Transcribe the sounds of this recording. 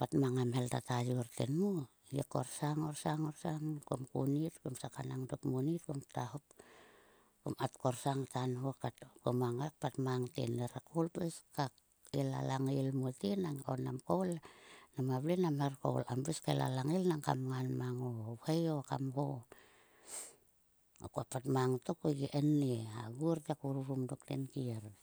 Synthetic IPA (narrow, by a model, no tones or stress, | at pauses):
patmaŋamheltatajurtenmu | jeko̰rsaŋorsaŋorsaŋko̰mkṵnitkomsakanaŋdokmunit̚komtahop̚ | ko̰matkoɾsaŋtanhokatkomaŋak̚patmaŋtḛneɾakowlpeska | ela̰laŋelmotenaŋonamkowlnamaβlenamerko̰lambeskala̰laŋelnaŋka̰mŋanmaŋohajokamho | o̰kuapatmaŋtokoɡeʔenːea̰ɡuɾtakuɾuɾumdoktḛnkieɾ